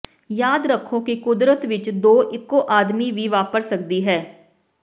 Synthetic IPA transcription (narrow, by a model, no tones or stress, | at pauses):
jaːd̪ɾəkʰːoːkikʊd̪ɾət̪ʋɪt͡ʃd̪oːʔɪkːoːʔaːd̪miːʋʱiːʋaːpəɾsək̚d̪iːɦɛː